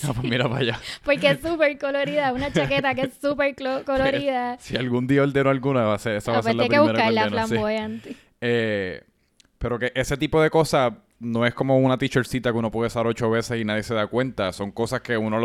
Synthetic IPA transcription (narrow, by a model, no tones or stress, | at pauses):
apemiɾapa̰japo̞ɾkeesupeɾkoloɾiðaunat͡ʃaket̪ak̬eesːupeɾkokoloɾiðasialɡund̪iaold̪enoalɡunaβaseɾesaβaseɾlaepɾeieβueɾakallamsoeant̪i | e | pe̞ɾo̞ke̞ʔese̞t̪ipo̞ðe̞ko̞sas | no̞e̞sko̞mo̞unat̪it͡ʃoɾsit̪akuno̞pweðesaɾo̞t͡ʃo̞βe̞sesinaðje̞se̞ðakwe̞nt̪aso̞ŋko̞saske̞unol